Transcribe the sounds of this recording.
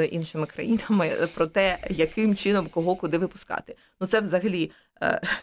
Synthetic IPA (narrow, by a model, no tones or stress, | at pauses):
jʔinʃɪmɪkɾɐ̰jinɐmɪpɾɔt̪ɛjɐkɪmt͡ʃɪnɔmkɔɦɔkʊd̪ɪʋɪpʊ̥skɑ̰t̪ɪ̥ | nut̪sɛʋzɐɦɐlʲḭ